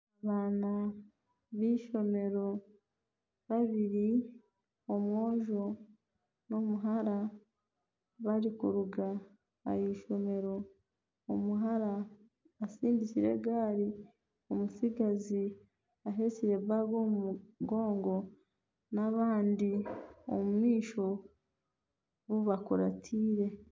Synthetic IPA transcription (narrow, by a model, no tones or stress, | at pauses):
aβaːna | βiːʃo̞me̞ɾo̞ | βaβiɾi | o̞mwo̞ːʒo̞ | no̞muɦaɾa | βaɾikuɾuɡa | a̰jiːʃo̞me̞ɾo̞ː | muɦaɾaː | siːndiciɾe̞̰ɡaːɾi | omusiɡazi | aɦe̞ciɾe̞βaɡouɡo̞ːŋɡo̞ | naβaːndio̰mumiːʃo̞ | βuβakoɾa̰tʰiːɾe̞